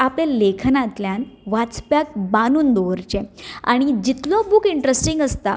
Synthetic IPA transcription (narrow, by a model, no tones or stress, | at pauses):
aplelekʰnat̪ljanʋat͡spjak̚banuːnd̪ɔʋəɾt͡ɕea̰ɽ̃id͡ʑit̪lɔbukiɳʈɾesʈiŋɡəst̪a